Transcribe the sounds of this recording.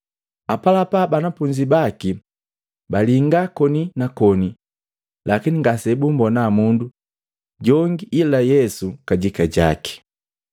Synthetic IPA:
apalapabanapuɲd͡ʒibaki | baliŋɡakɔninakɔni | lakiniŋɡasɛbumbɔnamundu | ɟɔŋɡiʔilajɛsukaɟikaɟa̰ki̥

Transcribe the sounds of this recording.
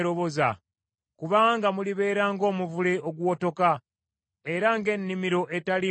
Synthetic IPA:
ɾo̞βo̞za̰ | kuβaːŋɡamuliβe̞ːɾaːŋɡo̞ːmuvule̞ʔo̞ɡuwo̞to̞ka | e̞ɾaŋɡe̞nːimiɾo̞ʔe̞tali

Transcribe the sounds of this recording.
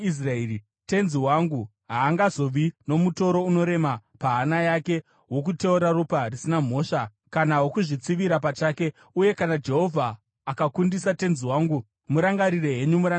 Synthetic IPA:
is̬raeri | te̞nziwaŋɡu | ɦaːŋɡazo̞ʋino̞muto̞ɾo̞uno̞ɾe̞mapaɦanajake̞ | wo̞kute̞uɾaruparisinam̤o̞ːʂa | kanawo̞kuʐit͡siʋiɾap̬at͡ʃaːke̞ | uje̞kanad͡ʒeɦo̞vʱaː | kakundisate̞nziwaŋɡu | muɾaŋɡaɾire̞ɦe̞ɲumuɾa

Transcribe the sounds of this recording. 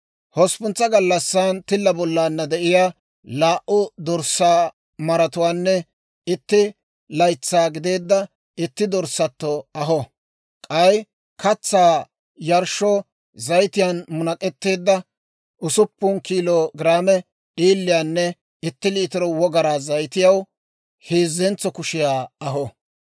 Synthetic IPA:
hɔspʊnt͡sːɐɡɐlːɐsːant̪ɪlːɐbɔlːaːnːɐd̪ɛʔɪjaː | laːʔʊd̪ɔɾsaː | mɐɾɐt̪ʊwaːnːɛ | ɪt̪ːɪ | lɐjt͡sːaːɡɪd̪e̞ːd̪ːɐ | ɪt̪ːɪd̪ɔɾsɐt̪ːɔɐɦɔ | kʼɐj | kɐt͡sːaː | jɐɾʃɔ | zɐjt̪ɪjanmʊnɐkʼɛt̪ːe̞ːd̪ːɐ | ʊsʊpːʊnkiːloːɡɪɾaːmɛ | iːlːɪjaːnːɛ | ɪt̪ːɪliːt̪ɪɾɔwɔɡɐɾaːzɐjt̪ɪjɐw | heːzːɛnt͡sːɔkʊʃɪjaːɐɦɔ

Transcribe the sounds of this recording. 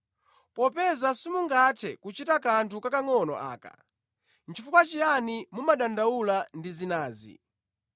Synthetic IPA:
pɔpɛzasimuŋɡatʰɛkut͡ʃitakantʰukakaŋɔnɔ̰ʔa̰ːka̰ | nt͡ʃʰifukwat͡ʃijanimumaɗandaulandizinaːzḭ

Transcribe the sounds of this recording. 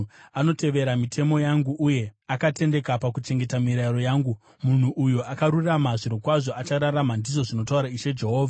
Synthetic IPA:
ano̞te̞ʋe̞ɾamitʰe̞mo̞jaŋɡuʔuje̞akate̞nde̞kapakut͡ʃe̞ŋɡe̞tamiɾaiɾo̞jaːŋɡu | mun̤uʔujuʔakaɾuramaʐiɾokwaʐo̞ʔat͡ʃaɾaramandiʐo̞ʐino̞tauɾaiʃe̞d͡ʒe̞ɦo̞ːvʱa

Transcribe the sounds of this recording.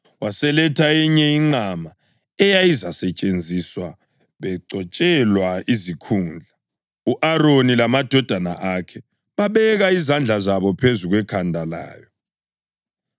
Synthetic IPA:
wasɛlɛtʰaiɲɛiŋ͡ǀama | ɛjajizasɛt͡ʃʼend͡zʱiswa | βɛǀʱɔt͡ʃʼɛlwaizikʰuːnd͡ɮʱa | uʔaɾonilamad̥ʱɔd̥ʱana̰ʔakʰɛ | βaβɛɣaizand͡ɮʱazaβɔpʰezuɣwɛkʰandʱala̰ːjɔ

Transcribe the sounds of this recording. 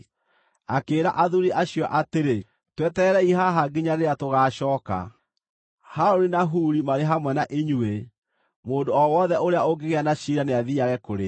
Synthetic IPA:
akeːɾa̰ʔaðuɾiʔaɕijɔʔateɾe | twɛtɛɾɛiɦaɦaɡiɲaɾeɾatoɣaːɕɔːka̰ | haɾoɾinaɦuːɾimaɾeɦamwɛnaʔeɲue | moːndoɔwɔðɛoɾeaoɡeɣeanaɕiɾaneaðiaɣɛkoɾe

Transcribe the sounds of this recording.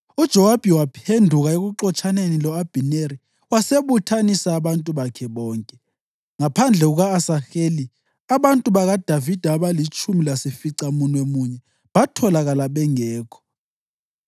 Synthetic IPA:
ud̥ʒ̥ʱɛwab̥ʱiwapʰendʱuɣaeɣuǁɔt͡ʃʰʼanenilɔab̥ʱineɾi | waseβutʰanisaːβantʼuβakʰɛɓɔːŋkʼɛ | ŋapʰand͡ɮʱɛɣuɣaːsaxeli | aβantʼuβaɣad̥ʱavid̥ʱaaβalit͡ʃʰʼumilasifiǀamunwemuɲɛ | ɓatʰɔlaɣalaɓɛŋɛːkʰɔ̥

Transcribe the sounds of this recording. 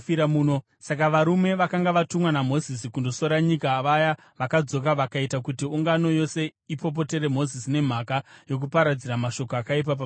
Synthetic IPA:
iɾamuːno | sakaʋaɾume̞ʋakaŋɡaʋatumwanamo̞zisikundo̞so̞ɾaɲikaːʋaja | ʋakad͡zo̞kaʋakaitakutiuŋɡano̞jo̞se̞ipo̞p̬o̞te̞ɾe̞m̤o̞zisine̞m̤akajo̞k̬upaɾad͡ziɾamaʃo̞koakaip̬ap̬a

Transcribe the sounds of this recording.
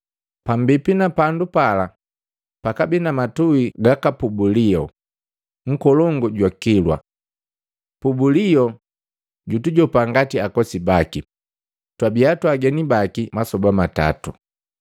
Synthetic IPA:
pambipinapandupala | pakabinamatuiɡakapubulijɔ | ŋ̩kɔlɔŋɡɔɟwakilwa̰ | pubulijɔ | ɟutuɟɔpaŋɡatiakɔsibaki | twabiatwaɡɛnibakimasɔbamata̰tṵ

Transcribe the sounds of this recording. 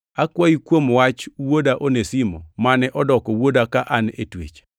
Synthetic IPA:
akwaikwomwat͡ʃwodaʔonesimɔmanɛʔɔdɔkɔwodakaʔanḛtwḛt͡ʃ

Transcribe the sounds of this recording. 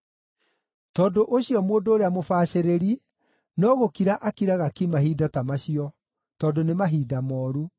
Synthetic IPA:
tɔːdoʔoɕiɔmoːndoːɾeamofaːɕeɾeɾi | nɔɣokiɾaʔakiɾaɣakimahiːdatamaɕiɔ | tɔːdonemaɦiːdamɔːɾu

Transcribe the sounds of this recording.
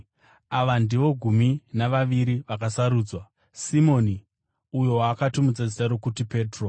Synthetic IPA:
aʋandiʋo̞ɡʱuminaʋaʋiɾiʋakasaɾuːd͡zwa | simo̞ni | ujo̞wakatumud͡zad͡zitaɾokutipe̞ːtro

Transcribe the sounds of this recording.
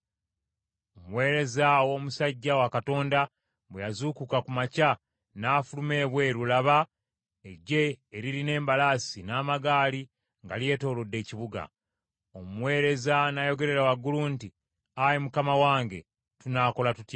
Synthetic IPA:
omuwe̞ːɾe̞zawo̞ːmusaɟːawakato̞ːnda | βwejazuːkukakumaca | naːfulume̞ːβwe̞ɾulaβa | eɟe̞ːɾiline̞ːmbalaːsinaːmaɡaːli | ŋɡalje̞ːto̞ːlo̞dːe̞ːciβuɡa̰ | omuwe̞ːɾe̞zanajo̞ɡe̞ɾe̞ɾawaɡulunti | ajemukamawaːŋɡe̞ | tunaːko̞latuta

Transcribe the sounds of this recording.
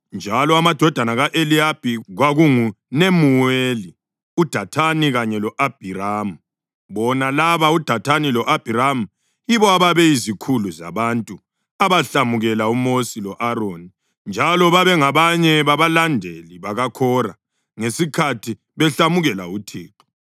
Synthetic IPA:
nd͡ʒʱalɔamad̥ʱɔd̥ʱanaɣaʔeliab̥ʱiɣwaɣuŋu | nemuweli | ud̥ʱatʰaniɣaɲɛlɔʔab̥ʱiram̩ | βɔnalaβaud̥ʱatʰanilɔʔab̥ʱiɾamu | jiβɔaβaβɛizikʰuluza̰βantʼu | aβaɬamuɣɛlaumosilɔʔaɾoni | nd͡ʒʱalɔβaβɛŋaβaɲɛβaβalandʱeliβaɣakʰɔra | ŋesikʰatʰi | βɛɬamuɣɛla̰utʰiːǃɔ̥

